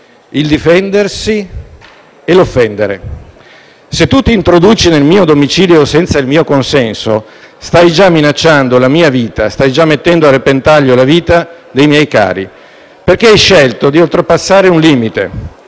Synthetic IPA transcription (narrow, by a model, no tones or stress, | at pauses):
ild̪ifɛnd̪ersi | elofːɛnd̪eɾḛ | set̪ːut̪iːnt̪ɾod̪uːt͡ʃinelmiːod̪omit͡ʃiːljosɛnt̪sailmiːokonsɛnso̰st̪ajd͡ʒamːinat͡ʃːand̪olamiːaviːt̪ast̪ajd͡ʒamːet̪ːɛnd̪oarːepent̪aʎːolaviːt̪a | d̪ejmjɛjka̰ːɾḭ | perk̟eajʃːɛlt̪od̪iolt̪ɾepasːaːɾeunliːmit̪ḛ